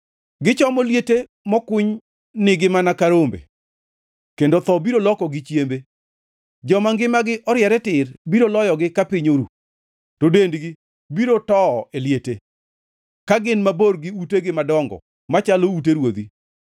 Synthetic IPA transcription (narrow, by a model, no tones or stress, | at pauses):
ɡɪt͡ʃɔmoljete | mɔkʊɲ | nɪɡɪmanakaɾombḛ | kendot̪ɔbiɾolɔkɔɡɪt͡ʃjembe | d͡ʒɔmaŋɡɪmaɡɪʔɔɾjɛɾɛtɪrbiɾolɔjɔɡɪkapɪɲoɾṵ | todendɡɪ | biɾotɔːeljete | kaɡɪnmaborɡɪuteɡɪmadɔŋɡɔ̰ | mat͡ʃalouteɾwod̪i